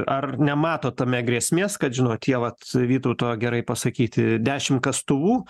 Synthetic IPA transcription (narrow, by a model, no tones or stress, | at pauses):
ɐrnʲɛmɑːt̪oːt̪ɐmʲɛɡɾʲiɛsʲmʲeːskɐt̪ʒʲɪnoːttʲiɛʋɐt̪ʋʲiːt̪ɐʊt̪oːjoɡʲɛɾɐɪpɐsɐkʲiːt̪ʲɪd̪ʲæːʃʲɪmkɐst̪ʊʋuː